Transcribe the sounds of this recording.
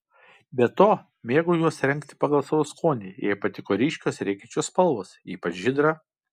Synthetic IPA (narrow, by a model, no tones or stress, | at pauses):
bʲɛt̪oː | mʲeːɡoːjuɔsɾʲɛŋʲˑkt̪ʲɪ̥pɐɡɐlˠsɐʋoːskʰoːnʲiːjɛɪpɐt̪ʲɪkoːɾʲiːʃʲkʲoːsɾʲɛɪkʲɛt͡ʃʲoːspɐlˠʋoːsiːpɐt͡ʃʒʲɪd̪ɾɐ